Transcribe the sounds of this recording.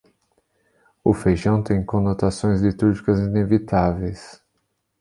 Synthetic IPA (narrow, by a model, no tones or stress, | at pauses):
ʊfejʒɐ̃w̃t̪ẽj̃kõnot̪asõj̃zlit̪uɾʒikɐzinevit̪avejs